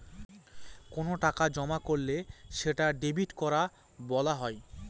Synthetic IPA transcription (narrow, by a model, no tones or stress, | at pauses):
konoʈakad͡ʑɔmakoɾleʃeʈaɖebiʈkɔɾa | bɔlaɦɔe